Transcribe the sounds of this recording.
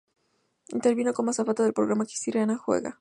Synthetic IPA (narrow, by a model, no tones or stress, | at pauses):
int̪eɾβinokonmasafat̪aðe̞lpɾoɣɾamaki̥st̪iɾeanaxwḛɣa̰